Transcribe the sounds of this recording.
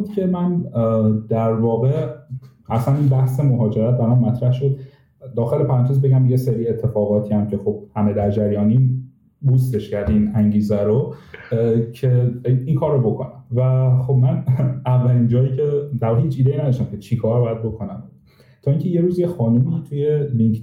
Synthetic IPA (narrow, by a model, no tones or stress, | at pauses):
ud̪kʲʰe̞mæn | d̪̥æɾvɒːɣe̞ | ʔæsæninbæhse̞moɦɒːd͡ʒe̞ɾæt̪ʰvælænmæt̪ɾæhʃo̞d̪ | d̪ɒːxe̞le̞pʰæɾænt̪ʰozbeɟæmjeseɾiːe̞t̪ʰːe̞fɒːɣɒːt̪ʰiːæmcʰe̞xo̞b̥̚hæmed̪æɾd͡ʒæɾjɒːni | bust̪e̞ʃcæɾd̪iinæŋɟiːzæɾo | cʰeiŋkʰɒːɾobo̞kʰo̞næmvæxobmænævːælind͡ʒɒːjiːcʰe̞d̪æɾɒɣeiːt͡ʃʰiːd̪einæd̪æɔʃt̪æmcʰet͡ʃʰikʰɒːɾbɒjæd̪̚bo̞kʰo̞næm | t̪ʰɒːiŋcʰe̞je̞ɾuːzjexɒːnumit̪ʰujeliŋkʰ